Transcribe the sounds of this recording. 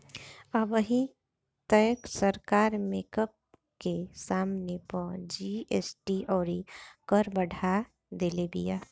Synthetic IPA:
əbəɦĩ | t̪əjəksəɾkaːɾmeːkəp̚ | kesaːmnepɔ̃d͡ʒieːsʈiɔːɾikəɾbəɽʱa | d̪eːlebḭjaː

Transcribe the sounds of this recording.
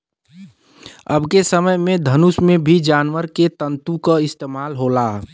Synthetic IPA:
əbʱkesəməjmẽd̪ʱənusmẽbʱid͡ʒaːnʋəɾket̪ə̃nt̪ũkaɪst̪eːmaːlɦola

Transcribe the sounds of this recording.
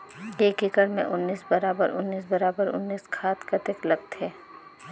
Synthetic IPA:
eːkɪkəɾmḛ̃ʔʊnːiːsbɐɾaːbəɾʊnːiːs̬bɐɾaːbəɾʊ̰nːiːskʰaːt̪kɐt̪ɪklɐɡ̚t̪eː

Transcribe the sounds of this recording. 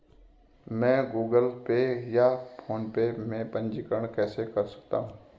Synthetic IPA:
mɛ̃ːɡuːɡəlpejapʰoːnpemẽpə̃nd͡ʒɪkəɽ̃kɛːsekɐɾsɐ̥k̚t̪aːɦũ

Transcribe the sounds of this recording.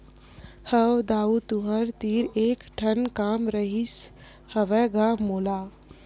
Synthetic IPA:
həwd̪aːut̪uɦəɾt̪iːɾeːkʈʰənkaːmɾəɦis | həʋɛːɡamoːlaː

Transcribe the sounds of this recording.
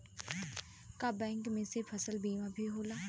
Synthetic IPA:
kabɛ̃ːŋkmẽsepʰəsəlbiːmãbʱiɦoːlaː

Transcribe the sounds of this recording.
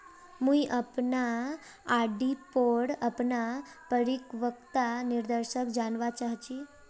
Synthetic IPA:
mũiʔəpnaː | ɖipoɽəpnapəɾikʋəkt̪aniɾd̪əɾʃəkd͡ʒanʋat͡ʃaɦt͡ʃi

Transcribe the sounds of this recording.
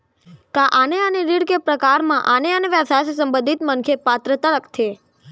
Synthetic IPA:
kaʔaneəneɾiɽkepɾəkaɾmãʔaneəneʋəsassəmbə̃nd̪ʱit̪mənkʰepat̪ɾət̪ələkt̪ʰe

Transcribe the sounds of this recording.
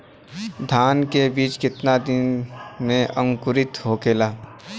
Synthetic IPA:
d̪ʱaːnkebiːt͡ʃkɪt̪nad̪ɪnmẽʔə̃ŋkʊɾɪt̪ɦoːkeːlaː

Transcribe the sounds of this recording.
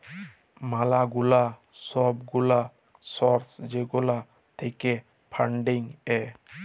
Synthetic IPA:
malaɡula | sɔb̚ɡula | sɔɾsd͡ʒeɡɔla | t̪ʰeke | pʰaɳɖiŋɛ

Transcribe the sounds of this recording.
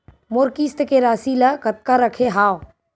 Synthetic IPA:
mʊɾkist̪keɾaːsiːlakət̪̚kaɾəkʰeɦaːw

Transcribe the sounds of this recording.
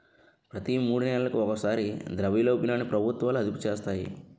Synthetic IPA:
pɾɐt̪imuːɽunɛlɐlɐkuɔkɐsaːɾid̪ɾɐʋiːloːpinaːnːipɾɐbʱut̪ʋaːluɐd̪upu̥t͡ʃeːst̪aːjḭ

